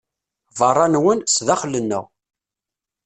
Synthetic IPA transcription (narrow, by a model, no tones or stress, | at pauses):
vɑrˤːɑnwənsðæχlənːə̰ʁ